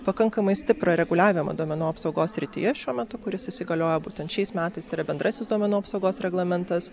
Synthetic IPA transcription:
pɐkɐŋkɐmɐɪsʲt̪ʲɪpɾɐɾʲɛɡʊlʲæːʋʲɪmɐ̰d̪uɔmʲɛnuːɐpsɐʊɡoːsʲsʲɾʲɪt̪ʲɪ̰jɛʃʲuɔmʲɛt̪ʊkʊɾʲɪsɪsʲɪɡɐlʲoːjɛbuːt̪ʲɛnt̪ʃʲɛɪsmʲæːt̪ɐɪst̪ɐɪɾɐbʲɛnd̪ɾɐsʲɪsd̪uɔmʲɛnuːɐpsɐʊɡoːsɾʲɛɡlˠɐmʲɛnt̪ɐs

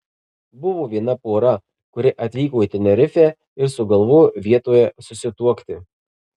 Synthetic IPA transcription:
bʊʋoːʋʲiɛnɐpoːɾɐ | kʊɾʲɪʔɐt̪ʲʋʲiːkoːit̪ʲɛnʲɛɾʲɪfʲæː | ɪɾsʊɡɐlˠʋʊʋʲiɛt̪oːjɛsʊsʲɪt̪uɔkt̪ʲɪ

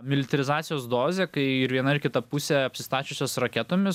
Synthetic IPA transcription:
mʲɪlʲɪt̪ɐɾʲɪzɑːt̪sʲɪjoːsd̪oːzʲeːkɐɪɪɾʋʲiɛnɐɪɾkʲɪt̪ɐpusʲeːɐpʲsʲɪ̥st̪ɑːt͡ʃʲʊsʲoːsɾɐkʲɛt̪oːmʲɪs

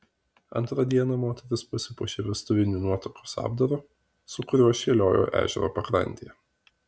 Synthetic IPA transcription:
ɐ̰nˑt̪ɾɐd̪ʲiɛnɐmoːt̪ʲɛɾʲɪspʊsʲɪpʊʃʲeːʋʲɛst̪ʊʋʲɪnʲuːnuɔt̪ɾokosɑ̰ːb̚d̪ɐɾo | sʊkʊɾʲuɔʃʲeːlʲoːjo̰ːʔæ̰ːʒʲɛ̰ɾo̰ːpɐkɾɐ̰nʲt̪ʲejɛ

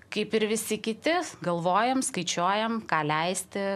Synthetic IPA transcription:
kɐɪpɪɾʋʲɪsʲɪkʲɪt̪ʲɪɡɐlˠʋoːjɛmskɐɪt͡ʃʲoːjɛmkɑːlʲɛɪsʲt̪ʲɪ

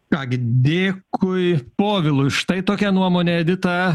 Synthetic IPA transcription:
kɑːɡʲɪd̪ʲeːkʰʊɪpoːʋʲɪlˠʊʃt̪ɐɪt̪oːkʲɛnuɔmoːnʲeɛd̪ʲɪt̪ɐ

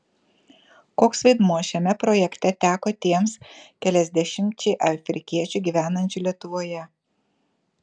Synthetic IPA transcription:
koːksʋɐɪd̪muɔʃʲɛmʲɛpɾɔjɛkt̪ʲɛt̪ʲæːkoːt̪ʲiɛmskʲɛlʲɛzʲd̪ʲɛʃʲɪmʲt͡ʃʲɛɪʔɐfʲɾʲɪkʲiɛt͡ʃʲʊˑɡʲiːʋʲæːnɐnʲt͡ʃʲʊlʲiɛt̪ʊʋoːjɛ

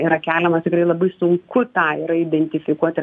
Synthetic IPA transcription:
ɪɾɐkʲæːlʲɛmɐt̪ʲɪkrɐɪlˠɐbɐɪsʊŋkʊt̪ɑːɪɾɐid̪ʲɛnʲt̪ʲɪfʲɪkuɔt̪ʲɪ

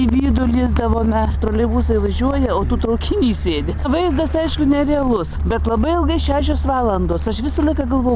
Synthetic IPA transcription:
iʋʲiːd̪ʊlʲɪzd̪ɐʋoːmʲɛt̪ɾoːlʲɛbuːsɐɪʋɐʒʲuɔjɛoːt̪uːt̪ɾɐʊkʲɪnʲiːsʲeːd̪ʲɪʋɐɪzd̪ɐsɐɪʃkʊnʲɛɾʲɛɐlˠʊsbʲɛt̪lˠɐbɐɪɪlˠɡɐɪʃʲæːʃʲoːsʋɑːlˠɐnd̪oːsɐʃʋʲɪsɐlˠɐɪkɐɡɐlˠʋoːj

